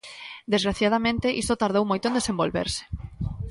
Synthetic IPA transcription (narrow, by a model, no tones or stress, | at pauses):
d̪ezɣɾaθjað̞amẽnt̪ɪʔist̪ot̪aɾðowmojt̪oend̪esembolβḛɾsɪ̥